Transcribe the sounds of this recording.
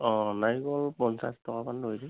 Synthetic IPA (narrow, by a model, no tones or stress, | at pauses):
ɔ̃najɡɔlpɔnsastɔkapanɹojdi